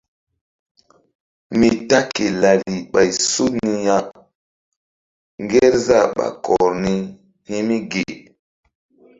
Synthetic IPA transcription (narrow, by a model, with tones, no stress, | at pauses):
mi˨ta˦ke˨la˨li˨ɓa˨jsu˦ni˦ja˦ | ŋɡe˦ɾza˦˨ɓa̰˨kʰɔ˨ɾni˦ | hi˦mi˦ɡe˨